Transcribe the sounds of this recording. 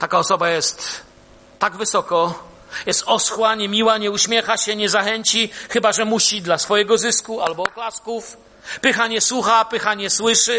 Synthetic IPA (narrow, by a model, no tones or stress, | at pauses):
t̪akaɔsɔbajɛst̪ː | aɡvɘsɔkɔ | jɛst̪ɔsxwaɲɛmʲiwaɲɛuɕmʲjɛxaɕɛɲɛzaxɛɲt͡ɕixɘbaʐɛmuɕid̪lasfɔjɛɡɔzɘskualbɔːklaskuf | pɘxaɲɛswuxapɘxaɲɛswɘʂɘ